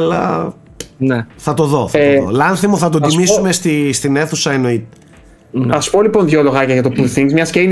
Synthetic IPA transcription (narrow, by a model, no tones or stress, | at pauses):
lɐ̰ | neθɐt̪o̞ðo̞θɐtoðo̰lɐnθimoθɐt̪̬ot̪imissume̞st̪ist̪ine̞θusɐenoit̪e̥ | ɐspoliponðʝolo̞ɣɐcɐʝɐt̪opuθiŋzmɲɐscen